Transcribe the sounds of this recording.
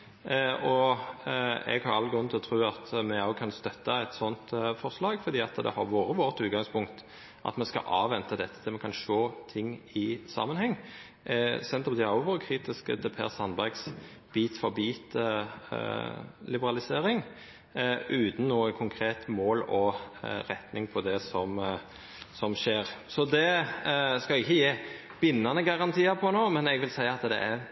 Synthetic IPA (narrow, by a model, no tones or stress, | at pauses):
ɔ | ɛ̰ɡhɑɾɑlːəɡɾʉnːəɪlɔt̪ʰɾʉːɑt̪mɛɑʊkʰɑnst̪œt̪ːəɛt̪sɔnt̪fɔɾslɑːɡfɔɾd̪iːɑt̪d̪ɛ̰hɑɾʋoːɾəʋoːɾət̪ʉːt̪̚ɡɑŋspʊŋkt̪ | ʔɑ̰t̪mɛnskɑ̰ʔɑːʋːɛnt̪əd̪ɛt̪ʰːə̥t̪ʰɪlmɛkʰɑnʃoːt̪ʰɪŋːɪsɑ̰ːmənhɛŋː | sɛnt̪ɔpd̪ɪɑʊʋoːʁəkʰɾiːt̪ɪskə̰t̪ʰɛpʰḛːʁsɑnbæɾɡsb̥iːt̪fɔɾbiːt̪ | lɪbəɾɑlɪseːɾɪŋ | ʔʉːt̪n̩noːɛkʰʊŋkʰɾeːt̪moːlɔɾɛt̪nɪŋpʰɔd̪ɛsɔm | sɔmʃeːɾsɔd̪ɛ | skɑɪçːəjeː | b̥ɪnːɑnəɡɑʁɑnt̪ʰiːəpʰɔnoːmɛnɛɡʋɪlsæɪəɑt̪d̪ɛ̰ʔæɾ